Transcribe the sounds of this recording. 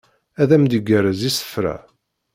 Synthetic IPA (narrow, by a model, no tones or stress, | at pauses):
æðæmd̪əɡæɾæzisə̥fɾæ̰